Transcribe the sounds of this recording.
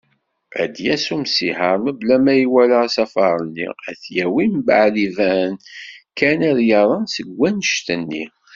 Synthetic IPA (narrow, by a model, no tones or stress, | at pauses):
æ̰d̪jæsumsiħəɾˤməblæmæjiwæləsæfɑɾˤənːḭæθjæwimbə̰ʕlivænkænəðjɑɾˤənsəɡːænəʃt̪ənːḭ